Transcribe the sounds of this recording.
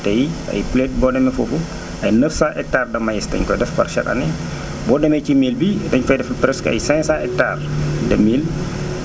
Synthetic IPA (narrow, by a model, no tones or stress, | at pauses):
tɛjɐ̰jplet̚bɔdɛmɛfofu | ʔɐjnəfsaʔɛk̚taːrdɐmajɛstɐ̰ɲkɔdɛfpɐ̰rʃɐ̰kɐ̰nɛ | bɔdɛmɛcimiːlbidɐɲfɐjdɛfpɾɛska̰jsɛ̃saʔɛk̚taːrdɐmiːl